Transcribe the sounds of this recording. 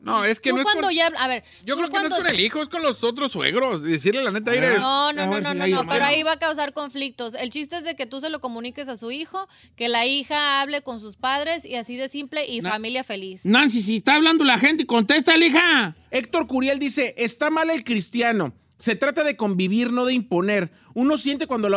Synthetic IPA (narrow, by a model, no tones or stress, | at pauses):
noeskenuoekwad̪oʝaβaβe̞ɾ | ʝokɾokanokonelixoeskonlosot̪ɾoswḛɣɾosðesiɾlelanet̪eajɾenonononoaoeɾoaiβakaws̬aɾko̞ɱflik̚t̪o̞se̞lt͡ʃis̬t̪e̞ezðeke̞t̪us̬e̞lo̞ko̞mũnike̞s̬asuixo̞ | ke̞laixaaβle̞ko̞ns̬uspaðɾe̞siasiðe̞simple̞ʔifamiljafe̞lisnans̬is̬ist̪aːβland̪olaxe̞nt̪eiko̞nt̪es̬t̪aelixaek̚t̪o̞ɾkuɾjeld̪ise̞ʔest̪amale̞lkɾist̪jano̞ | se̞t̪ɾat̪aðe̞ko̞mbiβiɾno̞ðe̞impo̞ne̞ɾ | uno̞sje̞nt̪̬e̞kwand̪o̞la